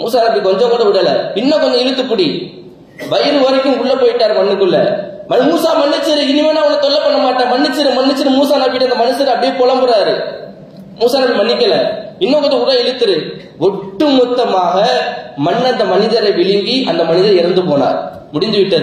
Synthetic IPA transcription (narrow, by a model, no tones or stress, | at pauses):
muːsaːnɐpːikɔɲd͡ʒɔ̃kɔd͡ʒɐʊɽɐlɐpɪnːõːkɔɲd͡ʒɔ̃ɪɻɯt̪ːɯpːʊɽi | ʋɐjɐɾɯʋɐɾɐkːɯmkʊɭːɐpːoːjɪʈːaːɾɯmɐɳːɯkːɯɭːɐ̰mɐmuːsaːmɐnːɪt͡ʃːɯɾɯɪnɪmeːnaːʋʊnːɐt̪ɔɭːɐpːɐɳːɐmaːʈːãːmɐnːɪt͡ʃːɯɾɯmɐnːɪt͡ʃːɪɾɯmuːsaːnɐːpːɪʈːɯɐnd̪ɐmɐnɯsɐɾɯɐpːɐɽɪjepɔlɐmbɯɾaːɾɯ | muːsaːnɐpːimɐɳːɪkːɐlɐpɪnːõːkɔd͡ʒɐʊɽɐɪɻɯt̪ːɯɾɯ | ʋɔʈːɯmʊt̪ːɐmaːɣɐmɐɳːɐnd̪ɐmɐnɪðɐɾɐɪʋɪɭɪŋɡiʔɐnd̪ɐmɐnɪðɐɾɪɾɐnd̪ɯp̬oːna̰ːɾ | mʊɽɪnd̪ɯʋɪʈːɐðɯ